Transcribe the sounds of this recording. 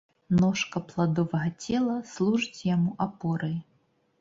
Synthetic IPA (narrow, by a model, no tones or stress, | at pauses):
nɔʂkɐplˠad̪ɔvɐɣɐt͡sʲɛlˠɐslˠuʐɨt͡sʲjamuʔapɔɾɐji